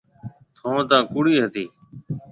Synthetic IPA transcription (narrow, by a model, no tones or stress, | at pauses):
t̪ʰõːt̪ãːkuɽiːɦət̪iː